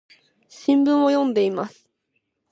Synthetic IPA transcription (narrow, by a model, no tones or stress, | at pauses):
ɕĩmbɯ̟̃ɰ̃o̞jõnd̪e̞imasɨ̥